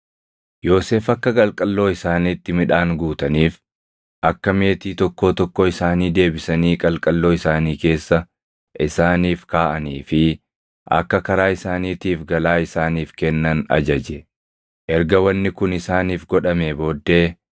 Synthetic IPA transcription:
jo̞ːse̞ːfɐkːɐkʼɐlkʼɐlːo̞ːɪsaːniːt̪ːɪmɪᶑaːŋɡuːt̪ɐniːf | ʔɐkːɐme̞ːt̪iːt̪ɔkːoːt̪ɔkːɔɪsaːniːd̪e̞ːbɪsɐniːkʼɐlkʼɐlːo̞ːɪsaːniːke̞ːsːɐ | ʔɪsaːniːfkaːʔɐniːfɪ | ʔɐ̰kːɐkɐɾaːɪsaːniːt̪iːfɡɐlaːɪsaːniːfkɛnːɐnɐ̰d͡ʒɐd͡ʒɛ | ʔɛɾɡɐwɐnːɪkʊnɪsaːniːfɡɔᶑɐmebo̞ːd̪ːe̞ː

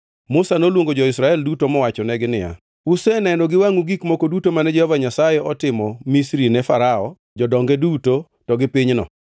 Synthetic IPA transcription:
mʊsanolwoŋɡod͡ʒɔɪsɾaɛldutomɔwat͡ʃɔnɛɡɪnɪja̰ | ʊsɛnɛnɔɡɪwaŋuɡikmokodutomanɛd͡ʒɛhɔvaɲasajɛɔtɪmɔmisɾinɛfaɾaɔ | d͡ʒɔdɔŋɡɛduto | tɔɡɪpiɲnɔ̰

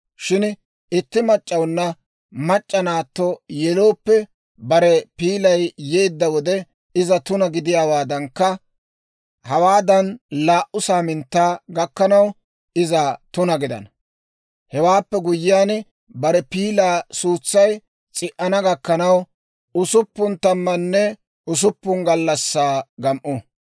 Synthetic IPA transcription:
ʃɪn | ɪt̪ːɪmɐt͡ʃʼːɐwnːɐ | mɐt͡ʃʼːɐnaːt̪ːɔjɛlo̞ːpːɛ | bɐɾɛpiːlɐjjeːd̪ːɐwɔd̪ɛ | ɪzɐt̪ʊnɐɡɪd̪ɪjaːwaːd̪ɐŋkːɐ | hɐwaːd̪ɐnlaːʔʊsaːmɪnt̪ːaːɡɐkːɐnɐw | ɪzɐt̪ʊnɐɡɪd̪ɐ̰nɐ | hɛwaːpːɛɡʊjɪjaːn | bɐɾɛpiːlaːsuːt͡sːɐj | t͡sʼɪʔɐnɐɡɐkːɐnɐw | ʊsʊpːʊnt̪ɐmːɐnːɛ | ʊs̬ʊpːʊnɡɐlːɐsːaːɡɐmʔɔ

